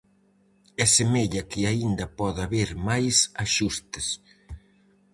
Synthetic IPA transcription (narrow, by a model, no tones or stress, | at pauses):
ɛsemeʎɐkɪaind̪ɐpɔðaβeɾmajsaʃust̪ɪs